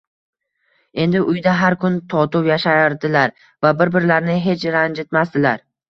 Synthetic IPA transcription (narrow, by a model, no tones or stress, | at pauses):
e̞nd̪ɪʔʊjd̪aɦaɾkʰʊnt̪ʰɒt̪ʊwjaʃaɾd̪ɪlaɾ | vabɪɾbɪɾlaɾnɪɦe̞t͡ʃʰɾand͡ʒɪt̪mast̪ɪlaɾ